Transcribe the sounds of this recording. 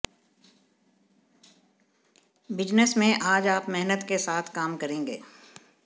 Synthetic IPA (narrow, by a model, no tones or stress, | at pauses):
bɪd͡ʒnəsmẽʔaːd͡ʒaːpmɛɦnət̪kesaːt̪ʰkaːmkɐɾẽːŋɡḛː